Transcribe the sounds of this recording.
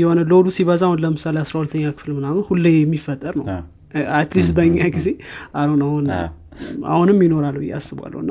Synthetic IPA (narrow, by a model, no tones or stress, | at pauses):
jɛho̞nəlod̪usiβəzahunləmɨsaleasɾahulət̪ʰːəɲːakʰɨ̥fɨlmɨnamɨnhulːɛmːifːət̪ʼːəɾnəw | at̪lis̬t̪̚bəɲːaɡize̞ʔalonahun | a̰hunɨmjino̞ɾalːuɪja̰sːɨβa̰lːə̰wnːa